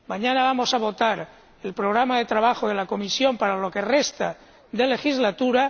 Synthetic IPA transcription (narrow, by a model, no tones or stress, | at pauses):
maɲanaβ̞amo̞saβ̞o̞t̪aɾ | elpɾoɣ̞ɾamaðe̞t̪ɾaβaxoðelako̞misjo̞mpaɾalo̞ke̞rest̪a | d̪e̞le̞xizlat̪uɾa